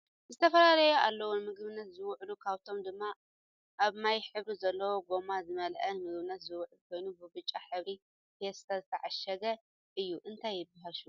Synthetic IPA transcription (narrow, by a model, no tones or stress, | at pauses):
zɨt̪ʰɐfɐlalɐjoʔalːɐwonmɨɡβɨnːɐt̪zɨwʕlukʰaβt̪ʰo̞md̪ɨmːa | ʔaβnajħɨβɾizɐlːɐwo̞ɡo̞mazɨmɐlʔɐnmɨɡβɨnːɐt̪zɨwʊʕɨlkʰo̞jnubɨbɨt͡ʃʼːaħɨβɾi | fʰest̪ʰazɨt̪ʰɐʕaʃɐɡɐ | ʔɨjːuʔɨnt̪ʰajːɪbɐɦaʃu